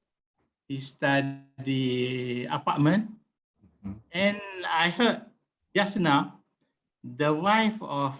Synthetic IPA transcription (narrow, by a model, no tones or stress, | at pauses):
histaddia̰pat̚mə̃n | ɛ̃najhət̚ | d͡ʒasna | dəwajfɔf